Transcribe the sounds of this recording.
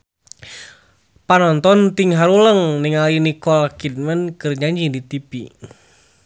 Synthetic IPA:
panɔnt̪ɔnt̪iŋɦaɾuləŋniŋalinikɔlkid̪̚mənkɨrd͡ʒaɲd͡ʒindit̪ipi

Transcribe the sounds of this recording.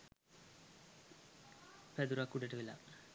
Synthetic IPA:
ped̪uɾakːuʈːeʈːɐʋila̰

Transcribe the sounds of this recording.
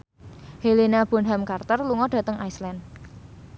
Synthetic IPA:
helinab̥ɔ̤nɦamkart̪ərluŋɔɖ̥a̤t̪əŋʔajslɛn

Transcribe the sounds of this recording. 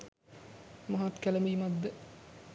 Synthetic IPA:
mɐɦat̪kælɐmiːmɐd̪ːə

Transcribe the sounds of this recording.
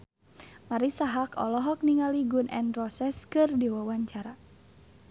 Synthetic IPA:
maɾisaɦakɔ̰lɔɦɔk̚niŋaliɡunʔɛ̰nrɔsɛskɨrdiwawaɲt͡ʃaɾa

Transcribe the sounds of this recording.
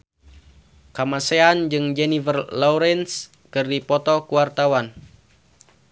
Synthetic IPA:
kamaseand͡ʒɨŋd͡ʒɛnivərlɔuɾɛns | kɨrdipɔt̪ɔkuwart̪awan

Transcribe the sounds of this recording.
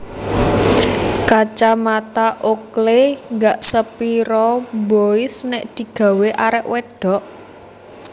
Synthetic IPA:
kat͡ʃamat̪aʔokleŋɡaʔsəpiɾɔmboɪsnɛʔd̪̥i̤ɡ̥ä̤weʔaɾɛʔwɛɖ̥ɔ̤ʔ

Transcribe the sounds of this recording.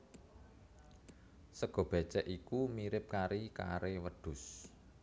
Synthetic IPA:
səɡ̥ɔ̤b̥ɛ̤̥t͡ʃɛʔikumiɾɪp̚kaɾika̰ɾewəd̪̥ʊ̤s

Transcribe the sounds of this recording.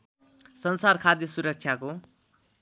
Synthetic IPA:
sʌnsarkʰad̪jʌsuɾʌk̚t͡sʰjako

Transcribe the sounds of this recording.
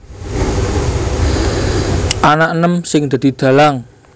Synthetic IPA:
ʔanaʔənəmsɪŋd̪̥a̤d̪̥i̤d̪̥ä̤laŋ

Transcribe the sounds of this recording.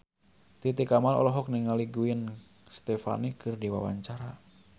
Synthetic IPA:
t̪it̪ikamalɔ̰lɔɦɔk̚niŋaliɡuən | st̪efa̰nikɨrdiwawa̰ɲt͡ʃaɾa

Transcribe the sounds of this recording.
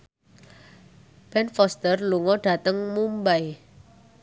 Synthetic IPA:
b̥ɛnfɔst̪ərluŋɔɖ̥a̤t̪əŋmumbaj

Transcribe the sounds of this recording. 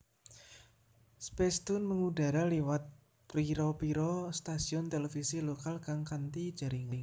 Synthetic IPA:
spɛst̪ʊnməŋuda̤ɾalewat̪̚ | pɾiɾɔpiɾɔst̪asiɔnt̪elefisilokalkaŋkant̪id̥d͡ʒ̥a̤ɾiŋa

